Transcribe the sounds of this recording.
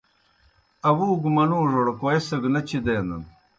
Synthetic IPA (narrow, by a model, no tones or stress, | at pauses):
ɐwuːɡumɐnuːʐoɽkoesɐɡnɐt͡ɕʰid̪eːnd̪ɐ̰n